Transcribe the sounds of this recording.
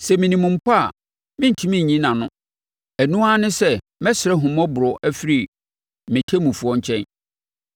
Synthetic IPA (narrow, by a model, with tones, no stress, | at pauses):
sɛ˨mɪ̃˨nĩ˨mũ˨m̩˦pʰa˦a̰˨ | mɪ̃˦n̩˨tʰi˦mĩ˦˨ɲĩ˦nã˨nʊ̃˦ | æ˨nũ˦a˦nɪ̃˦sɛ˦ | mɛ̃˦sɪ˨ɾɛ˦ɦʊ̃˨mɔ̃˦bʊ˨ɾɔ˨ʔæ˦fi˦ɾi˨ | mɪ̃˨tʰe˦mũ˨fu˦ɔ̃˦ɲ̩˦t͡ɕʰɛ̃˦n